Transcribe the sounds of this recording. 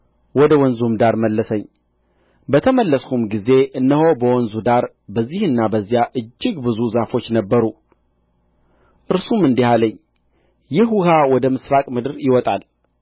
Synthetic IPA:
wɔd̪əwɔnzumd̪aɾməlːəsəɲː | bət̪ʰəməlːəskumɡize̞ʔɨnːəho̞bəwɔnzud̪aɾ | bəzːihɨnːabəzːjaʔɨd͡ʒːɪɡbɨzuzafo̞t͡ʃːnəbːəɾu | ʔɨɾsumɨnd̪ihaləɲː | jɪɦuhawɔd̪əmɨsɾakʼmɨd̪ɨɾjɪwɔt̪ʼal

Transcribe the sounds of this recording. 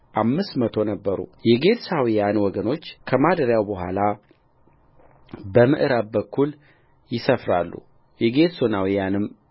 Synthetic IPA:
ʔamːɨst̪mət̪ʰo̞nəbːəɾṵjɛɡe̞d̪sawijanwɔɡəno̞t͡ʃːkʰəmad̪əɾjawbəɦʷa̰la | bəmɨ̰ʔɨɾab̚bəkʰːul | jɪsəfɾalːṵ | jɛɡe̞t̪zonawijanɨm

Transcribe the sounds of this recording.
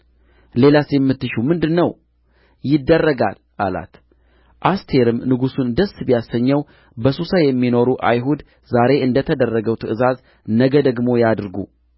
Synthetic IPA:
le̞lasjɛmːɨt̪ːɨʃumɨnd̪ɨnːəw | jɪd̪ːərːəɡa̰l | ʔa̰la̰t̪ | ʔast̪ʰe̞ɾɨmnɨɡusund̪əsːbjasːəɲːəw | bəsusajɛmːino̞ɾuʔa̰jɦud̪ | zaɾe̞ʔɨnd̪ət̪ʰəd̪ərːəɡəwt̪ʰɨɨzaz | nəɡəd̪əɡmo̞jad̪ɾɡṵ

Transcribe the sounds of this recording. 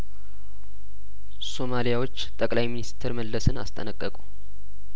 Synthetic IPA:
so̞malijawo̞t͡ʃːt̪ʼəkʼlajminist̪ʰɨɾməlːəsɨna̰st̪ʼə̰nəkʼːəkʼu̥

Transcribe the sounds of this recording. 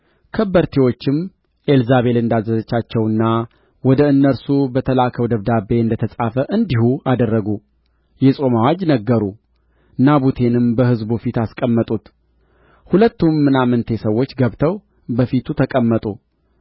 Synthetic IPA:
kʰəbəɾt̪ʰewo̞t͡ʃːɪm | ʔelzaβe̞lɨnd̪azːəzət͡ʃːat͡ʃːɛwɨnːa | wɔd̪əɨnːəɾsubət̪ʰəlakʰəwd̪əβd̪abe̞ɨnd̪ət̪ʰəsʼafəʔɨnd̪ihuad̪ərːəɡu | jɛsʼo̞mawad͡ʒnəɡːəɾu | naβut̪ʰe̞nɨmbəhɨzbufit̪askʼəmːət̪ʼut̪ | hulət̪ːumːɨnamɨnt̪ʰe̞səwːot͡ʃːɡəβt̪ʰəw | bəfit̪ʰut̪ʰəkʼəmːət̪ʼu

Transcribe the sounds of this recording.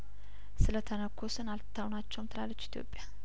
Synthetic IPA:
sɨlət̪ʰənəkʰːo̞sɨnalt̪ʰːawnat͡ʃːɛwmt̪ʰɨlalːət͡ʃːi̥t̪ʰjo̞̰pʼːja

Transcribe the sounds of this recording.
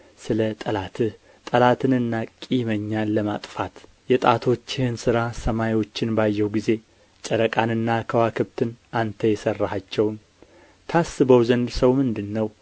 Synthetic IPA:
sɨlət̪ʼəlat̪ʰɨh | t̪ʼəlat̪ʰɨnɨnːakʼiməɲːanləmat̪ʼfat̪ | jɛt̪ʼat̪ʰo̞t͡ʃːɪhɨnsɨɾasəmajwo̞t͡ʃːɪnbajːɛwɡize̞ | t͡ʃʼəɾəkʼanɨnːakʰəwakʰɨβt̪ʰɨnant̪ʰəjɛsərːəhat͡ʃːɛwn | t̪ʰasːɨβəwzənd̪səwmɨnd̪ɨnːəw

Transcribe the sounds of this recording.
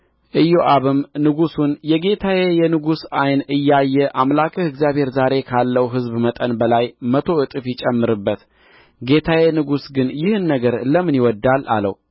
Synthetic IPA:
ʔɨjːoʔaβɨmnɨɡusunjɛɡe̞t̪ʰajejɛnɨɡusajnɨjːajːɛʔamlakʰəhɨɡzjaβhe̞ɾzaɾe̞kʰalːəwɦɨzbmət̪ʼənbəlajmət̪ʰo̞ɨt̪ʼɨfjɪt͡ʃʼɛmːɨɾɨbːət̪ | ɡe̞t̪ʰajenɨɡusɡɨnjɪhɨnːəɡəɾləmɨnjɪwɔd̪ːala̰lə̰w

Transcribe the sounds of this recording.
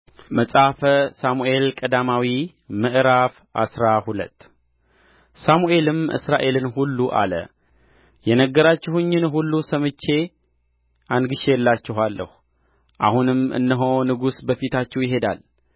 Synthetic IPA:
məsʼafəsamuʔe̞lkʼəd̪amawi | mɨʔɾaf | a̰sɾahulə̰t̪ː | samuʔe̞lɨmɨ̰sɾaʔe̞lɨnhulːuʔa̰lə̰ | jɛnəɡːəɾat͡ʃːɪhɨɲːɪnɦulːusəmɨt͡ʃːe̞ | ʔanɡɨʃejɛlːat͡ʃːɪɦalːə̰hu | ʔa̰hunɨmɨ̰nːəɦo̞nɨɡusbəfit̪ʰat͡ʃːɛwjɪɦe̞d̪a̰l

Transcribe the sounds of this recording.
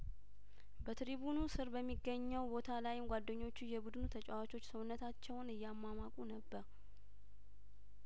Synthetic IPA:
bət̪ɾibunusɨɾbəmːiɡːəɲːəwbo̞t̪ʰalajɪmɡʷad̪ːəɲːo̞t͡ʃːujɛbud̪nut̪ʰət͡ʃʼawat͡ʃo̞t͡ʃːsəwʊnːət̪ʰat͡ʃːɛwnɨjːamːamakʼunəbːəɾ

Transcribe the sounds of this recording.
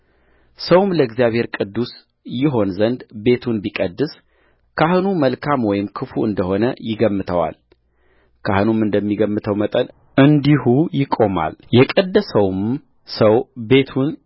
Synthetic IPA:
səwmləɪɡzijaβhe̞ɾkʼɨd̪ːus | jɪɦo̞nzənd̪be̞t̪ʰunbikʼəd̪ːɨs | kʰahɨnuməlkʰamwɔjɪmkʰɨfuɨnd̪əho̞nəjɪɡəmːɨt̪ʰəwa̰l | kʰahɨnumɨnd̪əmːiɡəmːɨt̪ʰəwmət̪ʼən | ʔɨnd̪ihujɪkʼo̞ma̰ljɛkʼəd̪ːəsəwm | səwbe̞t̪ʰun

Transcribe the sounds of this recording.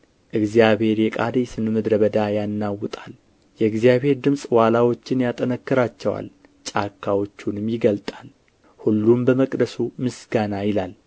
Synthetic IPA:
ʔɨɡzijaβhe̞ɾjɛkʼad̪esɨnɨmɨd̪ɾəβəd̪ajanːawːɨt̪ʼal | jɛɨɡzjaβhe̞ɾd̪ɨmsʼwalawo̞t͡ʃːɪnjat̪ʼənəkːɨɾat͡ʃːɛwa̰l | t͡ʃʼakʰːawo̞t͡ʃːunɨmjɪɡəlt̪ʼal | hulːumbəməkʼd̪əsumɨsɡanajɪlal

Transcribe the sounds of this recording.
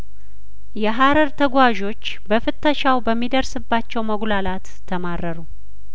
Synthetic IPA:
jɛɦaɾəɾt̪ʰəɡʷwaʒo̞t͡ʃːbəfɨt̪ːəʃawbəmːid̪əɾsɨbːat͡ʃːɛwməɡlalat̪ʰːəmarːəɾu

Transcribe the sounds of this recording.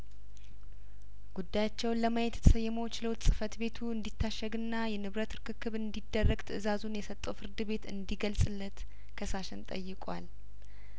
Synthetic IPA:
ɡ̥ud̪ːajat͡ʃːɛwnləmajɛt̪ʰjɛt̪ʰəsəjːɛməwt͡ʃɪlowt̪sʼɨfət̪be̞t̪ʰuɨnd̪it̪ʰːaʃːəɡɨnːajɛnɨβɾət̪ʰɨɾkɨkʰːɨβɨnd̪id̪ːərːəɡt̪ʰəʔɨzazunjɛsət̪ʼːofɨɾd̪ɨβe̞t̪ɨ̰nd̪iɡəlsʼɨlːət̪ | kʰəsaʃɛnt̪ʼə̰jːɪkʼwa̰l

